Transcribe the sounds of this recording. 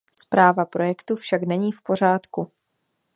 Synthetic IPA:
spɾaːvapɾo̞jɛkt̪ufʃaknɛɲiːfpo̞r̝aːt̪ku

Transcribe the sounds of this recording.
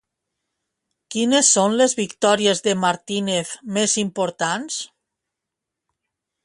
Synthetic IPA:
kinesːonlezβikt̪ɔɾiezðemaɾt̪inefmezimpoɾt̪ans

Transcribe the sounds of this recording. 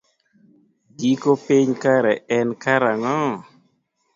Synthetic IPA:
ɡikopɪɲkaɾɛɛnkaɾaŋɔ

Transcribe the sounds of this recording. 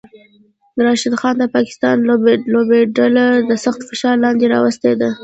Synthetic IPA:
əɾɑʃɪd̪xɑnd̪əpɑkɪ̥st̪ɑnloblobeɖalaɾd̪əsaxt̪fɪʃɑɾlɑnd̪eɾɑ̰wəst̪ed̪a

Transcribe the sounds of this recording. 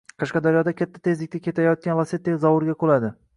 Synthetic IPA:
qʰɑʃqɑd̪aɾjɒd̪akʲʰat̪ʰːḁt̪ʰezlɪk̚ʲt̪ʰakʲe̞t̪ʰajɒt̪̚kʲanlˠaset̪ːekʲzɒwʊɾɡʲaqʰolˠad̪ɪ

